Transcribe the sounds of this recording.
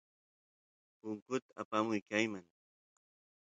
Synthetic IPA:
pʊŋkʊt̪aapamʊjkajmaŋ

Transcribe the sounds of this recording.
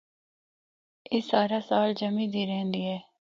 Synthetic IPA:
ɪːsaːɾaːsaːld͡ʒəmĩd̪ʱiːɾɛ̃ɦɛ̃nd̪iːɦɛː

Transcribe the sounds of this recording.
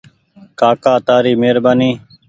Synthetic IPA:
kaːkaːt̪aːɾiːmeːɾbaːniː

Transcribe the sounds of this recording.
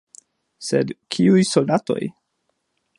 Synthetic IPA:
sedkʰiujso̞ldato̞̰j

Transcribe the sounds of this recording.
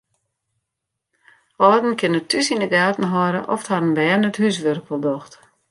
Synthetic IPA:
ʔɔdn̩kʰɪnətʰːysindəɡaːtn̩ɦɔɾəʔɔftharənbɛːnəthys̬ʋørkʰəlˠdɔxt

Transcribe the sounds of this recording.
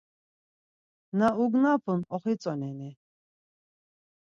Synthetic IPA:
nauɡnapʰunɔχit͡sʼɔnɛni

